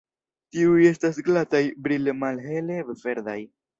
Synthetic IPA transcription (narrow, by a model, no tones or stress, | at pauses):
tiuje̞stasɡlatajbɾilemalɦe̞levve̞ɾd̪aj